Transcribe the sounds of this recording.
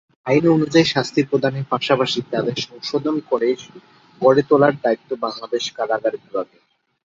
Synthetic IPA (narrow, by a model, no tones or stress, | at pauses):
ajnonud͡ʑaiʃast̪ʰiɾpɾod̪ʱanepaʃapaʃit̪ad̪eɾʃɔŋʃod̪ʱonkɔɽed͡ʑ | kɔɽet̪olaɾd̪aitt̪ːobaŋlad̪eʃkalaɡaɾbibʱaɡe